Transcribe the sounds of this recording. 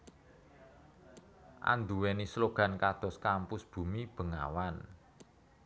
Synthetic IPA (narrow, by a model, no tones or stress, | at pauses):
ʔa̰nd̪uwɛnisloɡ̥a̤nkad̪̥ɔ̤skampʊsb̥ṳmib̥ə̤ŋa̰wan